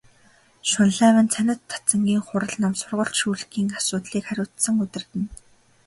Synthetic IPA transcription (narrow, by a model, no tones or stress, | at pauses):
ʃʊnɮæːwə̆nt͡sʰænʲɪ̆t̪ʰːḁt͡sə̆ŋɡʲiːŋχʊɾə̆ɮnɔmsʊrʁə̆ɬʃuːɮkiːŋasʊːt̪ɮiːkχæɾʲʊːt̪sə̆ŋɵt̪ɪ̆rt̪ɘ̆n